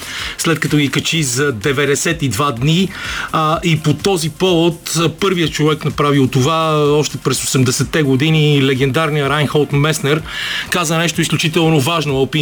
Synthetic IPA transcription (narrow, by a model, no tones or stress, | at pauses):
slɛt̪kɐt̪ɔɡikɐt͡ʃizɐd̪ɛvɛd̪ɛsɛt̪id̪vad̪ni | ʔipot̪ɔzipɔvot̪pɤɾvijət͡ʃovɛknɐpɾaviot̪ːovaɔʃt̪ɛpɾɛsosɛmd̪ɛsɛt̪ːɛɡod̪inilɛɡɛnd̪aɾnijəɾajnxɔlˠt̪mɛsnɛɾkazənɛʃt̪oisklʲut͡ʃit̪ɛlˠnovaʒnoɐlpi